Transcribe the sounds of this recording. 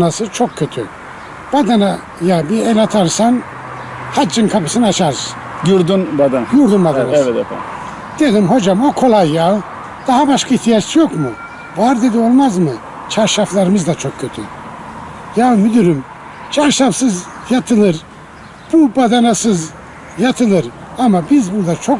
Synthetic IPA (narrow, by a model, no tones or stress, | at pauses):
nasɯzt͡ʃʰokʰcːøt̪ʰy̰ | b̥ad̪ana | jabiɛlat̪ʰaɾsan | had͡ʒinkʰapʰɯsɯnat͡ʃʰaɾz | juɾd̪unbad̪ajuɾd̪umbad̪anas | d̪̥ed̪imɦod͡ʒamokʰo̞lˠajːa | d̪̥aɦabaʃkʰaiht̪ʰijat͡ʃt͡ʃʰijokmu | baɾd̪ed̪iolˠmazmɨ | t͡ʃʰaɾʃaflˠaɾɯmɯzd̪at͡ʃʰɔkkʰːøt̪ʰy̰ | jamyd̪yɾym | t͡ʃʰaɾʃafsɨz | jat̪ʰɯnɯɾ | b̥ubad̪anasɯz | jat̪ʰɯnɯɾ | amabizbud̪at͡ʃʰɔk